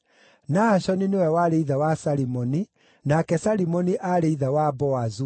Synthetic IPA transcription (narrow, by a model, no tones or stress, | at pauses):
naaɕɔninewɛwaɾeiðawasaɾimɔni | nakɛsaɾimɔniʔaɾeiðawabɔazu